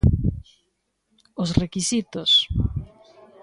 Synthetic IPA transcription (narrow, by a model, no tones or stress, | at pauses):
ʊsrekisit̪ʊs